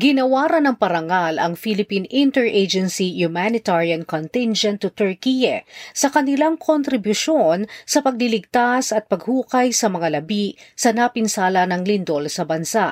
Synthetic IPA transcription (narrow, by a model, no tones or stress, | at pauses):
ɡɪnɐwaːɾɐnɐŋpɐɾɐŋalʔɐŋfilɪpinɪnt̪ɛɹʔed͡ʒɛnsihʊmanɪt̪aɹiɐnkont̪ɪnd͡ʒɛnt̪ːut̪ɔɹkijɐsɐkɐnɪlaŋkʰont̪ɾɪbjʊʃonsɐpɐɡ̚lɪlɪɡ̚t̪asɐt̪̚pɐɡ̚huːkɐjsɐmɐŋalɐbisɐnɐpɪnsaːlɐnɐŋlɪnd̪o̞lsɐbɐnsaʔ